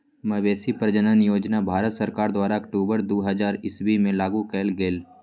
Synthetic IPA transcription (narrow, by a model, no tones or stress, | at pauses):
mɐʋeːsipɾəd͡ʒənənjoːd͡ʒnabʱaːɾət̪səɾkaːɾd̪waːɾaɐkʈoːbəɾd̪oːɦɐd͡ʒaːɾɪsbimẽlaːɡukɛːlɡeːl